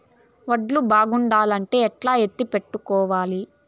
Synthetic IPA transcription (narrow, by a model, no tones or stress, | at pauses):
ʋɐɖlubaːɡuɳɖaːlɐɳʈe̞ːɛʈlaːɦet̪ːipe̞ʈːukɔːʋaːli